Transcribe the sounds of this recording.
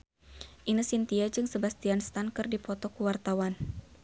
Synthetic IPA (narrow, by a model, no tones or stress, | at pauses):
ʔinəsint̪iad͡ʒɨŋsəbast̪ianst̪ankɨrdipɔt̪ɔkuwart̪awan